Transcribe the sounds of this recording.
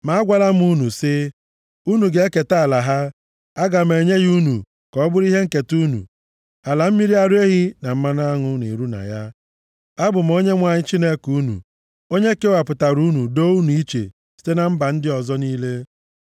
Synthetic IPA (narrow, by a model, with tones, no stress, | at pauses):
ma˨a˦ɡʷa˦la˦m̩˦u˦nu˨sɪ˦ | u˦nu˨ɡe˦e˦ke˨ta˦˨la˨ɦa˦ | a˦ɡa˨m̩˨e˨ɲe˦ɣu˦nṵ˨ | kɔ˨˦bʊ˦ɾi˦ɦe˦ŋ̩˦˨ke˨tu˦nṵ˨ | a˨la˨m̩˦mi˦ɾi˦a˦ɾu˦e˦ɦi˦na˨m̩˦ma˦n˦a˦ŋʊ˦nḛ˨ɾu˦na̰˨ja˦ | a˦bʊ˨m̩˨o˦ɲe˦ŋʷa˨ɲɪ˦t͡ʃi˦ne˦ku˦nṵ˨ | o˦ɲe˦ke˦wa˨pʊ˨ta˨ɾu˦nu˨do˦u˦nu˨i˦t͡ʃḛ˨ | si̥˦te˦na˨m̩˦ba˨n̩˦dɪ˦ɔ˨zɔ˦niː˦le˦